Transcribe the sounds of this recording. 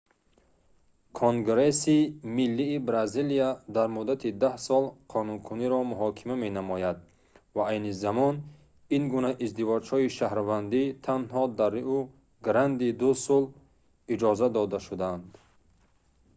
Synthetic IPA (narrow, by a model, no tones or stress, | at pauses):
kʰoŋɡɾesimilːiːbɾazilijad̪aɾmud̪at̪ʰid̪ahsɔlˠqʰɔnunkʰuniɾɔmuɦɔkʰimame̞namɔjad̪̚ | vaajnizamɔn | inɡunaʔizd̪ivɔd͡ʒhɔiʃahɾvand̪it̪ʰanhɔd̪aɾu | ɡɾand̪id̪usɔl | id͡ʒɔzad̪ɔd̪aʃud̪aand̪